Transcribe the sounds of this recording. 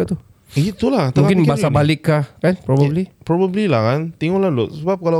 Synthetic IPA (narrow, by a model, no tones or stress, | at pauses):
at̪u | it̪ulahtmaũkɪnbasabalɪkːahkanpɾɔbəblipɾɔbəblilakant̪iŋɔlalʊtsəbap̚kala